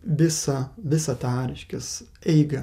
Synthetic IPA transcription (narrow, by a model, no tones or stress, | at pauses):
ʋʲɪsɐʋʲɪsɐt̪ɑːɾʲɪʃʲkʲɪsɛɪɡɐ